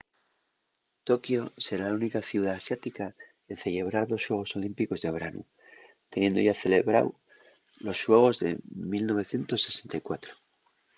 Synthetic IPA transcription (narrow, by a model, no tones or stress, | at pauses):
t̪o̞kjose̞ɾalunikaθjiuðaːsjat̪ika | enθe̞ʎe̞β̞ɾaɾðo̞sʃwe̞ɣ̞o̞so̞limpiko̞zðe̞βɾanṵ | t̪e̞nje̞nd̪oʝaθe̞le̞βɾa̰w | lo̞sʃwe̞ɣ̞o̞zðe̞̰milno̞β̞e̞θje̞nt̪o̞sːe̞se̞nt̪ajkwat̪ɾo